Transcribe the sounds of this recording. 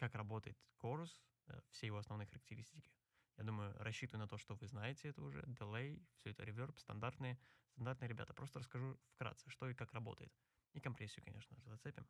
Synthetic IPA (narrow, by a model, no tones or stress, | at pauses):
kakrɐbo̞t̪əjɪt̪ko̞ɾʊs | fsʲejɪvo̞ɐsnɐvnojxəɾək̚tʲɪɾʲisʲtʲɪkʲɪ̥ | ja̰d̪uməjʊ̰ɾɐɕːit̪əvəjnɐt̪o̞ʂt̪ovɨznajɪtʲɪɛt̪əʊʐɛ̰d̪ɨlˠejfsʲɵɛt̪ə̰ɾʲɪvʲorpst̪ɐ̰nd̪art̪nɨjəst̪ɐnd̪art̪ɨjəɾʲɪbʲa̰t̪əpɾost̪əɾəskɐʐufkɾa̰t̪sɨʂt̪o̞ɪkakrɐbo̞̰t̪ə̰jɪ̰t̪ | ɪkɐmpɾʲesʲːɪjʊkɐnʲeʂnəʐɨzɐt̪sɛpʲɪm